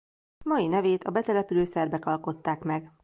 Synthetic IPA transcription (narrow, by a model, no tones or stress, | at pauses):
mɒinɛveːt̪ʰɒbɛt̪ɛlɛpyløːsɛrbɛkɒlko̞t̪ːaːkmɛɡ